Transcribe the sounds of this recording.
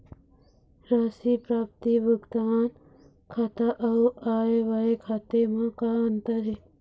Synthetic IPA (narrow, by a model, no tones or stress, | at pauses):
ɾaːsipɾaːp̚t̪ibʱuɡt̪an | kʰat̪aʔɐwaːeʋaekʰaːt̪emãkaənt̪əɾe